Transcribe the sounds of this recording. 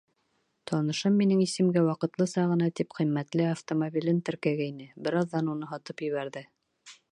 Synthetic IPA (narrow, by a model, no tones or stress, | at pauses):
t̪ʰɒnɤ̆ʃɤmːinɘŋisɘ̆mɡæwɑqɤ̆t̪lˠɤsɑʁɤ̆nɑt̪ipqĭmːæt̪lɘaft̪omobʲilɘnt̪ɘ̆ɾkæɡæinɘbɘɾɑððɑnunɤɦɑt̪ɤpjɵ̆βæɾðɘ